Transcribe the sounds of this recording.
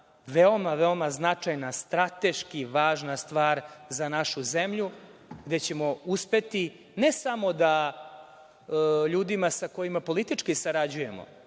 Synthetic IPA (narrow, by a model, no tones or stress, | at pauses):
ʋeo̞maʋeo̞maznat͡ʂajnast̪ɾat̪e̞ʃkiʋaːʒnast̪ʋaːɾzanaʃuzemʎuɡd̪e̞t͡ɕe̞mo̞uspe̞t̪i | ne̞samo̞d̪a | ʎuːd̪imasako̞jimapo̞lit̪it͡ʂkisaɾad͡ʑuje̞mo̰